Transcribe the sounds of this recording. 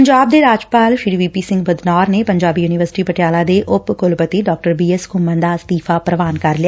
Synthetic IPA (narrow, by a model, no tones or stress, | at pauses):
əɲd͡ʒaːb̚d̪eːɾaːd͡ʒpaːlʃiɖiʋiːpiːsɪ̃ŋɡbəd̪nɔːɾneːpəɲd͡ʒaːbiːjuːnɪʋəɾsɪ̥ʈiːpəʈɪjaːlaːd̪eːʔʊpkʊlpət̪iːɖɔːk̚ʈəɾbiːɛskʊmə̃nd̪aːst̪iːfʰaːpɾəʋaːnkəɾlɪja